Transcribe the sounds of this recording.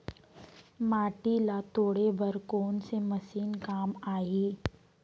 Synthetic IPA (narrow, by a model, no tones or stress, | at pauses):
maːʈilat̪oːɽebɐɾkoːnsemɐsiːnkaːmaːiː